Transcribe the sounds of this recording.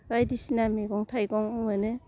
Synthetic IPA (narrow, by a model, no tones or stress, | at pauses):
bajdisinameɡɔŋtʰajɡɔŋɯnɯ